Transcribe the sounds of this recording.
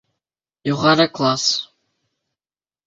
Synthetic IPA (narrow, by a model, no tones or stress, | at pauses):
juʁɑɾɤklˠas